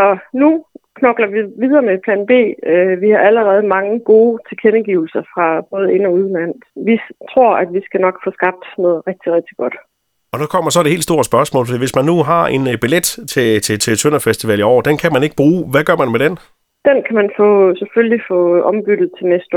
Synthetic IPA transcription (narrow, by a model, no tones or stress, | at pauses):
ɒ̽nukʰnɒ̽ɡ̥lɐʋiʋið̞ˠɐːmepʰlɛ̰ːnb̥e̝̰ːøʋihɑ̈ʔæləʁɛːð̞̩ˠmɑ̈ŋəɡ̥o̝ːt͡sʰe̝kʰenəɡ̥iʊl̩sɐfʁɑ̈b̥ɔ̽ːð̞̩ˠe̝nɒ̽uðˠlæn̰ʋit͡sʰʁo̝ɐ̰æd̥ʋisɡ̥ænɒ̽ɡ̥fɔ̽ːsɡ̥ɑ̈b̥̚d̥nɔ̽ːð̩ˠʁɛɡ̥̚d̥iʁɛɡ̥̚d̥iɡ̥ɒ̽d̥ | ɒ̽nukʰɒ̽m̰ɐsɒ̽d̥ee̝̰l̥sd̥o̝ɐsb̥ɶɐsmɔ̰ːlfɒ̽d̥ḭːʋe̝smænːuɦɑ̈e̝nb̥iled̥t͡sʰe̝t͡sʰe̝t͡sʰe̝t͡sʰønɐfesd̥iʋɛliɒ̰d̥enkʰæmæne̝ɡ̥əb̥ʁuːʋæɡ̥ɶɐmænmed̥en | d̥enkʰæmænfɔ̰̽ːseføllifɔ̰̽ːʔɒ̽mb̥yd̥ð̩ˠt͡sʰe̝lnesd̥